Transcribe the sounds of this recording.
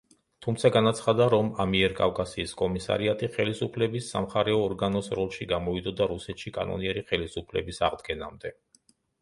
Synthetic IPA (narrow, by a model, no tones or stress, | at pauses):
t̪ʰumt̪sʰaɡanat̪sʰχad̪aɾɔmamiɛɾkʼafkʼasiːskʼɔmisa̰ɾiat̪ʼiχɛlisupʰlɛbisːa̰mχaɾɛɔːɾɡanɔsɾɔlˠʃiɡamɔid̪ɔd̪aɾusɛt̪ʃikʼa̰nɔ̰niɛɾiχɛlisupʰlɛ̰bisaʁd̪ɡɛna̰md̪ɛ